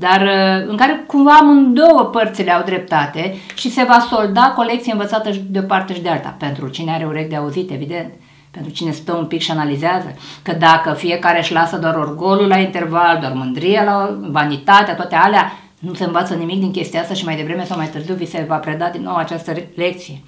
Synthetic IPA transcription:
d̪arɨŋkaɾe̞kumvamɨnd̪o̞wəpərt̪sile̞awd̪ɾe̞p̚t̪at̪e̞ʃise̞vaso̞ld̪ako̞lek̪̚sijeɨnvət̪sat̪əʃd̪eo̞part̪eʃid̪ealt̪a̰pe̞nt̪ɾut͡ʃineaɾeuɾe̞k̚d̪eauzit̪e̞vid̪e̞nt̪ | pe̞nt̪ɾut͡ʃine̞st̪əumpikʃianalizeazə̰kəd̪akəfije̞kaɾeʃlasəd̪oaɾorɡo̞lulaint̪e̞rvald̪oarmɨnd̪ɾijelavanit̪at̪eat̪oat̪ealea | nuse̞ɨɱvat̪sənimik̚d̪iŋkʲe̞st̪iaast̪aʃimajd̪e̞vɾeme̞sawmajt̪ɨrziwvise̞vapɾe̞d̪ad̪inːo̞wat͡ʃast̪əle̞k̚t̪sije̞

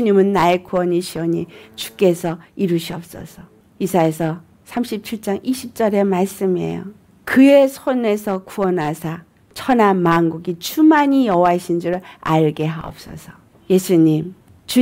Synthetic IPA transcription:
uɲimɯnːaekuʌɲiɕʰiʌɲit͡ɕu̥k͈e̞sʰʌiɾuɕʰiʌp̚s͈ʌ̰sʰʌ | isʰaesʰʌ | sʰamɕʰip̚t͡ɕʰiɭt͡ɕ͈aŋʔiɕʰip̚t͡ɕ͈ʌɾe̞maɭs͈ɯmiḛjo̰ | kɯe̞sʰone̞sʰʌkuʌnasʰa | t͡ɕʰʌnamaŋɡuɡit͡ɕumaɲijʌɦwaɕʰind͡ʑuɾɯɭa̰ɭɡeɦaʌ̰p̚s͈ʌ̰sʰʌ̥ | je̞sʰuɲim | t͡ɕu

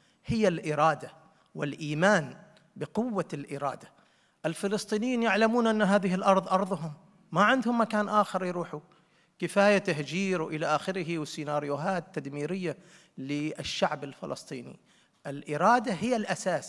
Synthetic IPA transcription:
hɪjːalʔɪɾˤɑːd̪a | wɪlʔiːmaːn | bɪqʊwːalʔɪɾˤɑ̰ːd̪a | ʔɪlfɪlɨsˤt̪ˤiːnɪjiːnjaʕlamuːnʔanːɦaːðɪhɪlʔɑɾˤðˤʔɑɾˤðˤɦʊmː | aʕɪnd̪hʊmːakaːnʔaːxɪɾˤjɾuːħu | kɪfaːjat̪ahd͡ʒiːɾwʔɪlaʔaːxɪɾɪɦɪwsinaːɾjʊɦaːt̪ːad̪miːɾɪjːa | lɪɪʃːaʕbɪlfɪ̰lʔɑ̰sˤt̪ˤiːnḭ | ʔɪlʔɪɾˤɑːd̪aɦɪjːalʔasaːs

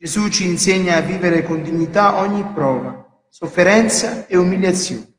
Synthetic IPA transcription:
d͡ʒezut͡ʃːiːnsɛɲːaːvːiːveɾɪkɔnd̪iɲːit̪aʔɔɲːipːɾɔːva | sofːeɾɛnt̪saeumiljat̪sːjɔ̰ːnɛ

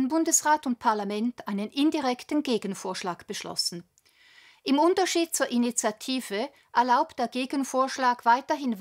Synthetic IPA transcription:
nbʊndəsʁaːtʊntpʰaɐlamɛntʰaɪnənʔɪndiʁɛktn̩ɡeːɡən̩foːɐʃlaːkb̥əʃlɔ̰sn̩ | ʔɪmʊntɐʃiːd̥̚t͡suːɐʔinit͡sjatʰiːv̥ə | ʔɛɐlaʊpd̥eːɐɡeːɡən̩foːɐʃlaːkv̥aɪtɐɦɪn

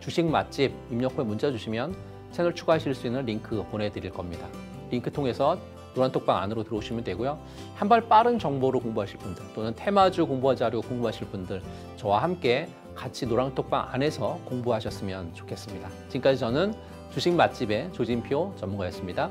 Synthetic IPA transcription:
t͡ɕuɕʰiŋma̰t̚t͡ɕ͈ib̚imɲʌkʰoemund͡ʑad͡ʑuɕʰimjʌn | tʰenɯɭt͡ɕʰuɡaɦaɕʰiɭs͈uinːɯnɾiŋkʰɯpone̞dɯɾiɭk͈ʌmɲida | ɾiŋkʰɯtʰoŋe̞sʰʌ | noɾaŋtʰok̚p͈aŋa̰nɯɾotɯɾʌuɕʰimjʌndwe̞ɡojo | hambaɭp͈aɾɯnt͡ɕʌŋboɾokoŋbuɦaɕʰiɭp͈undɯɭt͈onɯntʰe̞mad͡ʑukoŋbuɦad͡ʑiɦaɾiɡokoŋbuɦaɕʰiɭp͈undɯɭ | t͡ɕʌwahamk͈e̞ | kat͡ɕʰinoɾaŋtʰok̚p͈a̰ŋʔa̰ne̞sʰʌkoŋbuɦaɕʰʌs͈ɯmjʌnt͡ɕokʰes͈ɯmɲida | t͡ɕink͈aɕʰit͡ɕʌnɯn | t͡ɕuɕʰiŋmat̚t͡ɕ͈ibe̞t͡ɕod͡ʑinpʰiot͡ɕʌmːuŋɡajʌs͈ɯmɲida

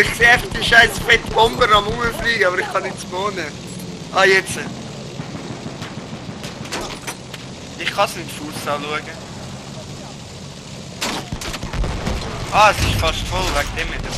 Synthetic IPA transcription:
ɪχkseːɛfdiʃaɪsfɛt̪bɔmbəɾɑmuŋəfliːɡəɑbəɾɪχkɑnɪt͡smoːnə | ʔɑːjɛt͡sə | ɪχɑsɪndfusɑlːuəɡə | ʔɑːəsɪʃfɑʃtfɔlvækd̥ɛmɪt

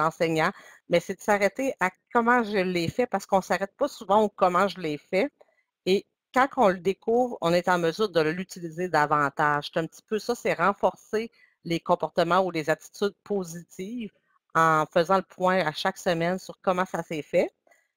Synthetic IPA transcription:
lɑ̃sɛɲɑ̃ | mɛsɛd̪əsaʁɛt̪eʔakɔmɑ̃ʒəlːɛfɛpaʁsə̥kɔ̃saʁɛt̪̚pʌsuvɑ̃ukɔmɑ̃ʒəlɛfɛ | e | kɑ̃kʰɔ̃ləd̪ekʰuvʁɔ̰̃net̪ɑ̃məzyːʁd̪əlyt̪ilized̪avɑ̃t̪aʒ̥st̪ɛ̃p̚t̪i̥pøsʌsɛʁɑ̃fɔʁse | lekɔ̃pɔʁt̪əmɑ̃ulezat̪i̥t̪yd̪̚pʰozit̪iːv | ɑ̃fəzɑ̃ləpʰwɛ̃aʃaksəmɛnsyʁkɔmɑ̃sasɛfɛ

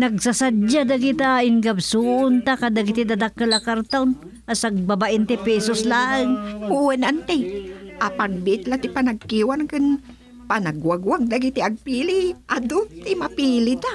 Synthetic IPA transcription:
nɐɡsasadad̪aɡit̪aʔɪŋɡabsuʊnt̪akad̪aɡɪt̪ɪd̪ad̪akːalakaɾt̪awn | ʔasaɡ̚babaʔɪnt̪ɛpɛsoslaːʔɨŋpuwɛnant̪ɛʔapaŋbɪʔɪt̪lat̪ɪpanaɡ̚kiwankɨn | panaɡwaɡwaŋd̪aɡit̪iaɡ̚piːlɪʔad̪ʊt̪ɪmapiːlɪt̪a

